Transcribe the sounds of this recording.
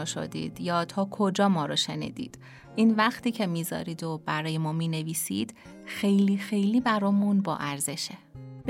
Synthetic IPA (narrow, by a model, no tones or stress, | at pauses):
ʃo̰d̪ḭːd̪̥jɒːt̪ʰɒːkʰod͡ʒɒːmɒːɾɒʃe̞nḭːd̪̥ḭːd̪̥ | ʔiːnvæxt̪ʰiːcʰe̞miːzɒ̰ːɾiːd̪ob̥æɾɒːje̞mɒːmiːne̞viːsid̪̥ | xejliːxejliːbæɾɒːmunbɒ̰ːʔæɾze̞ʃeb